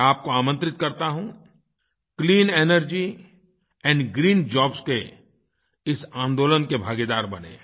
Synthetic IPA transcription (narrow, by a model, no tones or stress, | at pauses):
aːp̚koaːmə̃nt̪ɾɪt̪kɐɾt̪aɦũː | kliːneːnəɾd͡ʒi | ɛ̃ːɳɖɡɾiːnd͡ʒɔːbske | ɪsãːnd̪oːlənkebʱaːɡed̪aːɾbɐnḛː